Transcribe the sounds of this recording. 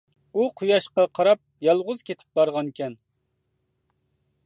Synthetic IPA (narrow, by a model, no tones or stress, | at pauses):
uqʰujɑʃqɑqʰɑɾɑp̚jɑlˠʁʊzkʲʰet̪ʰɪ̥p̚bɑɾʁɑnkʲʰɛn